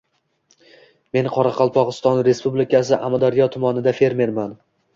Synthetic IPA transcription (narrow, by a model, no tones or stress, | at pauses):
me̞nqʰɒɾaqʰɑlˠpʰɒʁɨst̪ɒnɾe̞spublɪkʲʰasɪʔamad̪aɾjɒt̪ʰʊmɒnɪd̪afe̞ɾme̞ɾman